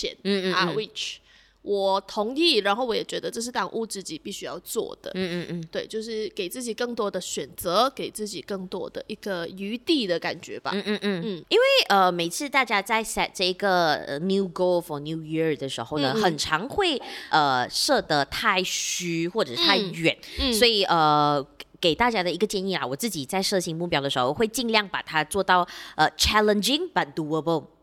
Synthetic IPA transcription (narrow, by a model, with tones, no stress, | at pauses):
ɛ̰˨˩n̩˥˧a˧wi˥˩t͡ʃ | wɔ˨˩t̪ʰʊ˧˥ŋi˥˩ɻa˧˥nxo˥˩ʊwɔ˧˥jɛ˨˩t͡ɕɥɛ˧˥d̪ə˧ʈ͡ʂɤ˥˧ʂ̬̩˥˩t̪ɑ˨˩ŋʔu˥˧t͡sɹ̩˥˩t͡ɕi˨˩pi˥˩ɕy˥jɑ̰˥˧ʊt͡swɔ̰˥˩d̪̥ə̰˩˥˧t̪we˥˩ɪt͡ɕjo˥˧ʊʂɻ̩˥˩ke˨˩ɪt͡sɹ̩˥˩t͡ɕi˨˩kɤ˥˩ŋt̪wɔ˥d̪ə˨ɕɥɛ˨˩nt͡sə˧˥ke˨˩ɪt͡sɹ̩˥˩t͡ɕi˨˩kɤ˥˩ŋt̪wɔ̰˥d̪ə̰˨ʔi˥˩ɡ̥ə˧y˧˥t̪i˥˩d̪ə˩ka̰˨˩nt͡ɕɥɛ̰˧˥b̥a̰˧˥˧n̩˥˩i˥nwe˥˩ɪʔə˧me˨˩ɪt͡sʰɹ̩˥˧t̪a˥˧˩t͡ɕja˥t͡sa˥˧ɪsa˨˩ʈ͡ʂɤ˥˩i˧˥ɡə˧ə̰˧nju˥ɡo˥ʊfɔ˨˩nju˥ji˥d̪ə˩ʂɻ̩˧˥xo˧ʊnə˨xə˨˩nʈ͡ʂʰɑ˧˥ŋxwe˥˧ɪʔə˧˩ʂɤ˥˧t̪ə˧t̪ʰa˥˩ɪɕy˥xwɔ˥˩ʈ͡ʂɤ˨˩t̪ʰa˥˩ɪɥɛ˨˩˦nswɔ˧˥i˨˩ʔə˧˩ke˨˩ɪt̪a˥˩t͡ɕja˥ɾə˨i˧˥ɡə˧t͡ɕjɛ˥˧ni˥˩la̰˩wɔ˨˩t͡sɹ̩˥˩t͡ɕi˨˩t͡sa˥˧ɪʂɤ˥˩ɕi˧˥ŋmu˥˩pjɑ˥ʊd̪ə˩ʂɻ̩˧˥xo˧ʊxwe˥˧ɪt͡ɕi˥˧nljɑ˥˩ŋpa˨˩t̪ʰa˥t͡swɔ˥˧t̪ɑ˥˩ʊə˩t͡ɕʰæ˥lə˨nd͡ʒi˧ŋbɐ˨t̚d̥̪u˧˥ə˧bə˥˩ʊ